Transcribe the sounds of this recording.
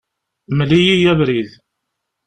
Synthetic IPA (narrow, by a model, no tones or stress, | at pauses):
mlijijævɾið